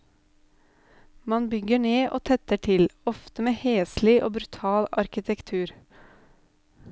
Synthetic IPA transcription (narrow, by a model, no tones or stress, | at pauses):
mɑnbʏɡəɳeːʔo̰ːt̪ʰɛt̪əʈʰɪlɔft̪əmeːheːslɪʔoːbɾʉt̪ʰɑːlɑɾkɪt̪ʰɛkt̪ʰʉːɾ